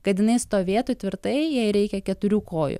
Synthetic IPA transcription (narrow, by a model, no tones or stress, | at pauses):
kɐt̪jɪnɐɪst̪oːʋʲeːt̪ut̪ʲʋʲɪɾt̪ɐɪjɛɪɾʲɛɪkʲɛkʲɛt̪ʊɾʲuːkoːjʊ̰